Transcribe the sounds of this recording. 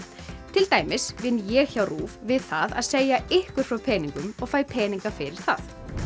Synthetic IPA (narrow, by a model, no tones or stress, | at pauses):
t̪ʰɪlt̪aːjmɪsvɪnːjɛɣçawruːvvɪðθaðaðseːjaɪhkʏɾ̥fɾawpʰɛːniŋkʏmɔɣfaːjpʰɛːniŋkafɪɾɪɾ̥θa̰θ